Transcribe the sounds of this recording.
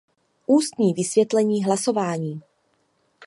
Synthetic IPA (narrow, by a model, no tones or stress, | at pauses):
ʔuːst̪ɲiːvɪsvjɛt̪lɛɲiːɦlaso̞vaːɲiː